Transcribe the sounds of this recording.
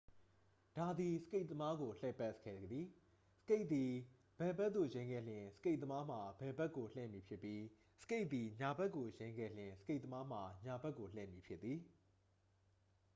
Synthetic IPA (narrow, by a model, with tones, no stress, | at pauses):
d̥a˨d̪i˨sə̥ke˦ɪʔt̪ːəma˦ɡo˨lɛ˦˨pɛ˦ʔskʰɛ̰˦˨d̪ði˨ | sə̥ke˦ɪʔ̪t̪i˨ | b̥ɛ˨bɛ˦t̪ːo˦˨jẽ˦ɪ̃ŋɡɛ̰˦˨l̥ɪ̃˨sə̥ke˦ɪʔ̪t̪ːə˦ma˦m̥a˨bɛ˨bɛ˦ʔkːo˨l̥ɪ̰̃˦˨mji˨pʰjɪ˦pːji˦ | sə̥ke˦ɪʔ̪i˨ɲa˨bɛ˦ʔkːo˨jẽ˦ɪ̃ŋɡɛ̰˦˨l̥ɪ̃˨sə̥ke˦ɪʔ̪ə˦ma˦m̥a˨ɲa˨bɛ˦kːo˨l̥ɪ̰̃˨mji˨pʰjɪ˦t̪t̪ːi˨